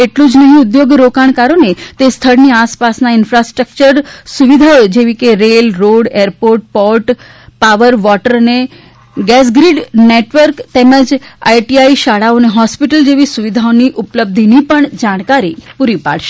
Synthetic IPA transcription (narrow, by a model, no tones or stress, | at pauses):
eʈlũd͡ʒnəɦĩʊd̪joɡɾokaɳkaɾonet̪est̪ʰəɽniaspasnaɪnfɾasʈɾək̚t͡ʃəɾsuʋid̪ʱaod͡ʒeʋikeɾelɾoɽeɾpoɾʈ̚pɔɾʈ | paʋəɾʋɔʈəɾne | ɡɛs̬ɡɾiɖneʈʋəɾkt̪ɛməd͡ʒa̰iʈiaiʃaɽaoneɦɔspiʈəld͡ʒeʋisuʋid̪ʱaoniʔʊpləb̚d̪ʱinipəɳd͡ʒaɽ̃kaɾipuɾipa̰ɽʃe̥